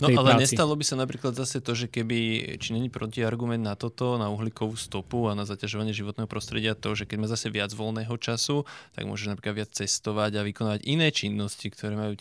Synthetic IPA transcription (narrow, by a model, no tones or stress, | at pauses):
ɔalɛɲɛst̪alɔbisanapɾiːklad̪zasɛt̪ɔʒɛkɛbit͡ʃiɲɛɲipɾɔciaɾɡumɛnd̪nat̪ɔt̪ɔnauɦlikɔʋuːst̪ɔpuanazacaʒɔʋaɲɪɛʒiʋɔt̪nɛːɦɔpɾɔst̪ɾɛɟɪat̪ɔʒɛkɛɟmaːzasɛʋɪad͡zʋɔlnɛːɦɔt͡ʃasut̪a̰ɡmʊɔ̰ʒɛʒnapɾiːklad̪ʋɪat͡st͡sɛst̪ɔʋaɟaʋikɔnaːʋaɟinɛːt͡ʃinːɔscikt̪ʰɔɾɛːmajuː